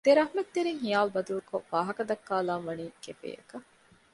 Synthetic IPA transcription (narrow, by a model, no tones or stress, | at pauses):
d̪eɾɐɦumet̪ːeɾiŋɦijaːlbɐd̪ulukoʋaːɦɐkɐd̪ɐkːaːlaːnʋɐniːkefḛːjɐ̰kɐ